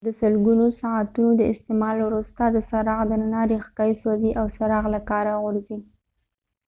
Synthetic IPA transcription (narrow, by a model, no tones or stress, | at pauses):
d̪əsəlɡunosaʕat̪unod̪əɪst̪ɪmɑlwɾust̪ad̪əsaɾɑɣd̪ənanɑɾixkɑjisoziʔawsaɾɑɣlakɑɾaɣʊɾzi